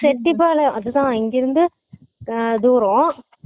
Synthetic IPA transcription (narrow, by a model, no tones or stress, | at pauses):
sɛʈːip̬ːaːlɐɐðɯt̪ãːɪŋɡɪɾɯnd̪ɯ | d̪uːɾõ